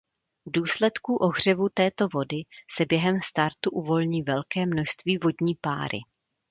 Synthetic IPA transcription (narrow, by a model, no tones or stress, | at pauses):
vduːslɛt̪kuʔo̞ɣr̝̥ɛvut̪ɛːt̪o̞vo̞dɪsɛbjɛɦɛmst̪aɾt̪uʔuvo̞lɲiːvɛlkɛːmno̞ʃst̪viːvo̞dɲiːpaːɾɪ̰